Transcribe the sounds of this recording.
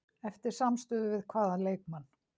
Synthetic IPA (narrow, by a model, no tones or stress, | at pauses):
ɛft̪ɪɾ̥samst̪ʏːðʏvɪðkʰvaːðaleːjk̚manː